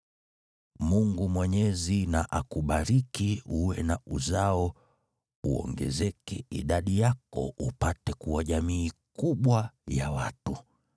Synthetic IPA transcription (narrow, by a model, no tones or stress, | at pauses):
muŋɡumwɛɲɛzinaʔakuɓaɾikiuwɛnauzaɔ | uɔ̰ŋɡɛ̰zɛkɛḭɗaɗijakɔ̰ʔupatɛkuwaʄamiːkuɓwaja̰watu